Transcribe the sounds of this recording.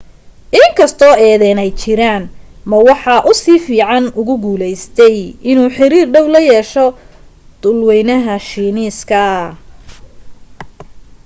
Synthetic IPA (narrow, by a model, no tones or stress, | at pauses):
ʔɪŋkʰɐst̪ʰɔːɛːðɛːnɛjt͡ʃɪɾaːn | mɐwɑħɑːʔʊsiːfiːʕɑnʊɣʊɡuːlɛjst̪ʰɛjɪnuːħɪɾiːrɖɛwlɐjɛːʃɔ | d̪̥ʊlwɛjnɐɦɐʃiːniːskʰɐ